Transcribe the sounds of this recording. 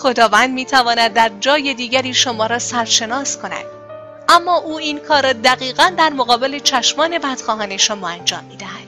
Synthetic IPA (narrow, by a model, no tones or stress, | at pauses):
xo̞d̪ɒːvænd̪miːt̪ʰævɒːnæd̪ːæɾd͡ʒɒːje̞d̪iːɟæɾiːʃomɒːɾɒːsæɾʃe̞nɒːskʰo̞næ̰d̪̥ | ʔæmːɒːʔuːiːnkʰɒːɾɒːd̪æɣiːɣænd̪æɾmoɣɒːbe̞le̞t͡ʃʰæʃmɒːne̞bæd̪̥xɒːɦɒne̞ʃomɒːænd͡ʒɒ̰ːmːiːd̪æhæd̪̥